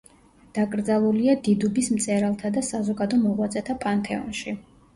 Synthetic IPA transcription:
d̪̥aɡʼɾd̪zalˠuliad̪id̪ubismt̪sʼɛɾalˠt̪ʰad̪asazɔɡad̪ɔmɔʁwat̪sʼɛt̪ʰapʼant̪ʰɛɔ̰nʃi

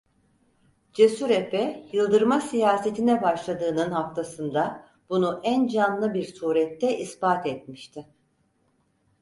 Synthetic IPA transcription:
d͡ʒesyɾepʰɛjɯlˠd̪ɯɾmasijaːse̞t̪ʰinɛbaʃlˠad̪ɯːnɯnhaft̪ʰasɯnd̪a | b̥unuʔænd͡ʒanlˠɯbiɾsuːɾɛt̪ʰːɛʔisbaːt̪ɛt̪̚miʃt̪ʰɪ

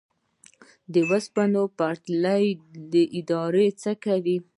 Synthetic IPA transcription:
d̪əwaspanopaɾt̪lajd̪əʔɪd̪ɑɾet͡səkawi

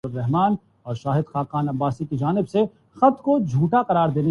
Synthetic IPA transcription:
ʊɾːɛɦmaːn | ɔːɾʃaːɦɪd̪xaːqaːnɐbːaːsikid͡ʒaːnɪbse | xɐt̪kod͡ʒʱuːʈaqɐɾaːɾd̪eːne

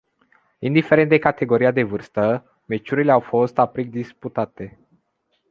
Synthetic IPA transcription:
ind̪ife̞ɾe̞nt̪d̪e̞kat̪e̞ɡo̞ɾiad̪e̞vɨrst̪ə | me̞t͡ʃuɾileawfo̞st̪apɾik̚d̪isput̪at̪e̞

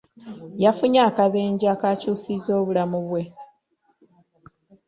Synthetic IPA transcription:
jafuɲaːkaβe̞ːɲɟaːkaːcuːsizo̞ːβulamuβwe̞

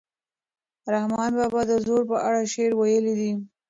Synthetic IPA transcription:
ɾahmɑnbɑbɑd̪əzoɾpəʔaɽaʃeɾwajəlid̪i

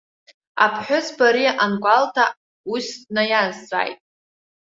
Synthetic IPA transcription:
a̰pʰħʷᶣʊsbaɾiʔanɡʷaltʰa | usnajazt͡sʷʼa̰jtʼ

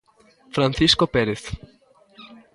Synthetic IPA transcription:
fɾãnθiskopeɾeθ

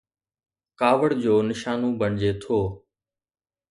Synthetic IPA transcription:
kaːʋəɽd͡ʑoːnɪʃaːnũbəɳ̃d͡ʑet̪ʰoː

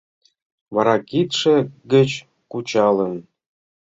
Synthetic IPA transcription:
vɑɾɑkit̪ʂĕɡə̆t͡ɕ | kut͡ɕɑlə̆n

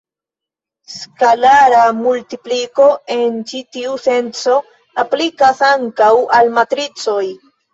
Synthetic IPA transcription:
skalaɾamultipliko̞e̞nt͡ʃitiuse̞nt͡so̞ | aplikasaŋkawalmatɾit͡so̞j

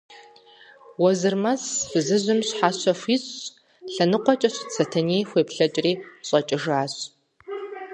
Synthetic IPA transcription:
wɔzɨrmɐsb̥ɨzɨzɨmɕħaːɕɐfʷiɕʼ | ɬɐnɨqʷɔt͡ʃʼɐɕt͡sʰɐtʰɐniːxʷeːpɬɐt͡ʃʼriːɕʼɐt͡ʃʼɪʒaːɕ

